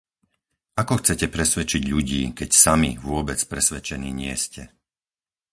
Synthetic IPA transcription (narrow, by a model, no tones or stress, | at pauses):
akɔxt͡sɛcɛpɾɛsʋɛt͡ʃiɟʎuɟiːkɛcsamiʋʊɔbɛt͡spɾɛsʋɛt͡ʃɛniːɲɪɛscɛ